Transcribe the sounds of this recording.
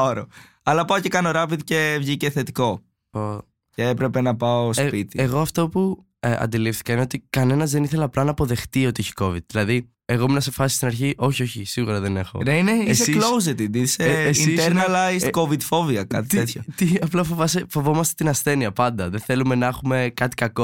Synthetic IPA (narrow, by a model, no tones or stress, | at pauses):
oɾo | ɐlɐpɐocekɐnoɾɐviðcevʝice̞θe̞t̪i̥ko̞ | o | ceepɾepe̞nɐpɐospit̪ieɣo̞ɐft̪o̞pu | ɐ̰nd̪ilifθi̥kɐineo̞t̪ikɐne̞nɐzðe̞niθe̞lɐːplɐnɐːpo̞ðe̞xt̪io̞t̪ieçi̥ko̞vid̪̚ðilɐði | eɣo̞minɐsefɐsist̪inɐɾçiʔo̞çio̞çisiɣuɾɐðene̞xo̞̰neineieseklowz̬et̪id̪iseesiit̪eɾnɐlɐiskovid̪fo̞viɐkɐt̪it̪et̪çot̪iɐplɐfovɐsefo̞vo̞mɐst̪et̪inɐsθe̞niɐpɐnd̪ɐðeθe̞lume̞nɐɐxume̞kɐt̪i̥kɐko